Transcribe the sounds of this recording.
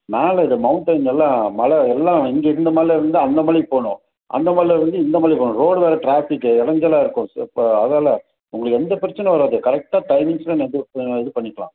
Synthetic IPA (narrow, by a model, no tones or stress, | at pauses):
meːlɐɪðɯmɐʊɳʈɐɪnɛlːãːmɐlɐɛlːãːɪŋɡeɪɾɯnd̪ɐmaːðɪlɛɾɐnd̪ɯɐnd̪ɐmaːlipoːɳʊ̃ | ʔɐ̰nd̪ɐmaːlɪlɐɾɐnd̪ɯɪnd̪ɐmaːlɾipoːɳʊ̃ɾoːɽʋeːɾɐʈɾaːfɪkːɯɪɽɐɲd͡ʒɐlãːɪɾɯkːʊ̃pːoɐðaːlɐ | ʊŋɡɐɭɯkːɛnd̪ɐpɪɾɪt͡ʃːɐnːɐʋɐɾaːðɯkɐɾɛk̚ʈaːʈɐɪmɪ̃ŋɡslɐ̃nɛðɯɛðɯpɐɳːɪkːɐɭã̰ː